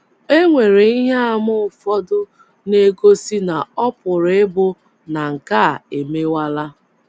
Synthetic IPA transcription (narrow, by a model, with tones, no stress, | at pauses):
e˦ŋʷe˨ɾe˨i˦ɦe˦a˦˨mʊ˦ʊ˨fɔ˦dʊ˦ | ne˦ɡo˦si˦na˨ɔ˦pʊ˨ɾe˦bʊ˦ | na˨ŋ̩˨ka˦˨e˨me˦wa˦la˦